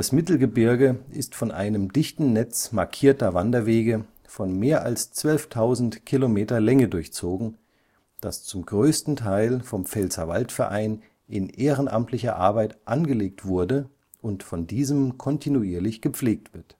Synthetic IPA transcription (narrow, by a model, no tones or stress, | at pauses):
d̥asmɪtl̩ɡəbɪɐɡəʔɪstfɔnʔa̰ɪnəmdɪçtn̩nɛt͡smaɐkʰiːɐtɐvandɐveːɡə | fɔnmeːɐʔalst͡sv̥œlftʰaʊzn̩tkʰilomeːtɐlɛŋədʊɐçt͡soːɡŋ̩ | d̥ast͡sʊmɡʁøːstn̩tʰaɪlfɔmfɛlzɐva̰ltfɛɐʔaɪn | ʔɪnʔeːʁənʔa̰mtʰlɪçɐ̰ʔa̰ɐbaɪtʔanɡəleːktv̥ʊɐdə | ʔʊntfɔndiːzəmkʰɔntʰinuiːɐlɪçɡ̥əp͡fleːk̚tv̥ɪɐt